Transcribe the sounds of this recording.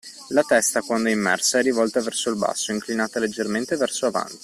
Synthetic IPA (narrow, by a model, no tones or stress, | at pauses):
lat̪ɛst̪akwand̪oɛimːɛ̰rsaɛrːivɔlt̪avɛrsoilba̰sːoiŋklinaːt̪aled͡ʒːerment̪evɛrsoava̰nt̪i̥